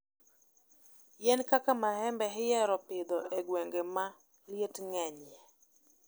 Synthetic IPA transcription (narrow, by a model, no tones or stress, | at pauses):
jɛnkakamahɛmbɛɦɪjɛɾɔpɪd̪ɔɛɡweŋɡema | ljetŋɛɲɛ